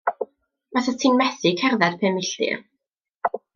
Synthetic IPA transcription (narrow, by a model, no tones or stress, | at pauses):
maθatʰinmɛθikʰɛrðɛd̥pʰɛːmɪɬtɪ̰r